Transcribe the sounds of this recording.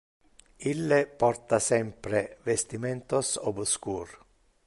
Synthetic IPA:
ilːepɔrt̪asɛmpɾevest̪iment̪osobskuːr

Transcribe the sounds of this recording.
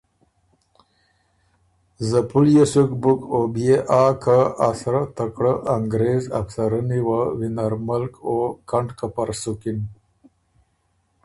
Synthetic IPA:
zəpuljesukbukobjeʔaːkaasɾat̪əkɽəʔaŋɡɾeza̰fsaɾəniwawinaɾməlkokaɳɖkapaɾsukin

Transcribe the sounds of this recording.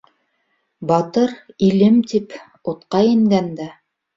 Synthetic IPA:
bɑt̪ɤɾilɘmt̪ip | ŏt̪qɑjɘ̆ŋɡænd̪æ

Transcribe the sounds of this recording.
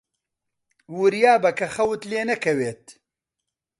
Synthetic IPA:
wuɾjaːbɐkɐxɐwt̪leːnɐkʰɐweːt̪̚

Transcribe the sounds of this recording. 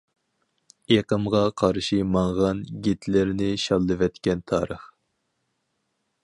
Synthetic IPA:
eqəmʁɑqʰɑɾʃimɑɴʁɑnɡʲet̪ʰlɪɾnɪʃɑlˠːɨvɛt̪kʲɛnt̪ʰɑːɾəχ

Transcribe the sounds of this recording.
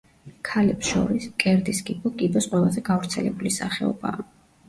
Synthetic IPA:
kʰalɛpsʃɔ̰ɾiskʼɛɾd̪iskʼibɔkʼibɔsqʼwɛlˠazɛɡavɾt̪sʰɛlɛbulisaχɛɔ̰ba̰ː

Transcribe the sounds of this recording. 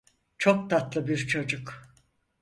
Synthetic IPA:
t͡ʃʰok̚t̪ʰat̪lˠɯbiɾt͡ʃʰo̞d͡ʒuk

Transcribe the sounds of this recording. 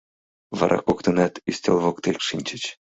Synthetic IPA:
vɑ̰ɾʔɑ̰kokt̪ɤnɑt̪isʲtʲelˠvokt̪ekʂinʲt͡ɕɘ̆t͡ɕ

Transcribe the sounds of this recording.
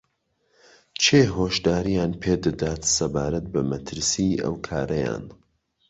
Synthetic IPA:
t͡ʃʰeːɦoːʃd̪aːɾijaːnpʰeːd̪ɨd̪aːt̪sɐbaːɾɐt̪̚bɐmɐt̪ʰɨɾsiɐ̰wkʰaːɾɐja̰ːn

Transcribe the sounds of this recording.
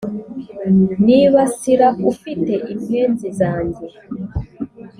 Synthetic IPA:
niβasiɾakufite̞ʔimeːnzizaːɲɟe

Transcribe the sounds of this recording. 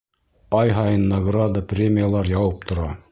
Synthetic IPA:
ɑjɦɑjɤnːɐɡrad̪aprʲemʲɪjalˠɑɾjɑwɤp̚t̪ʰŏɾɑ

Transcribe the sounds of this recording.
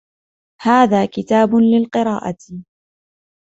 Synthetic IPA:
haːðaːkɪt̪aːbʊlɪlqɨɾɑ̰ːʔa̰t̪

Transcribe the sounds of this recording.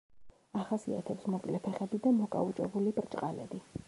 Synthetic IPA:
aχasia̰t̪ʰɛpsmɔkʼlɛpʰɛχɛbid̪amɔkʼa̰ut͡ʃʼɛbulibɾt͡ʃʼqʼalɛ̰bi

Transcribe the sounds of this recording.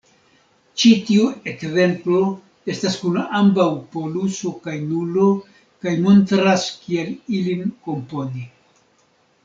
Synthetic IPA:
t͡ʃitiuekze̞mplo̞ | e̞staskunambawpo̞luso̞kajnulo̞ | kajmo̞ntɾaskielilinko̞mpo̞ni

